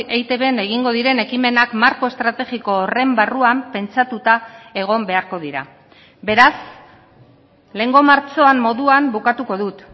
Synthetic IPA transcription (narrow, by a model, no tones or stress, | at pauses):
ejt̪e̞βe̞ne̞ɣiŋɡo̞ð̞iɾe̞ne̞kime̞nakmaɾko̞est̪ɾat̪e̞ɣiko̞ːre̞mbaruampe̞nt͡sat̪ut̪ae̞ɣ̞o̞mbe̞aɾko̞ð̞iɾa̰ | be̞ɾas | le̞ːŋɡo̞maɾt͡ʃo̞amːo̞ðuambukat̪uko̞ðut̪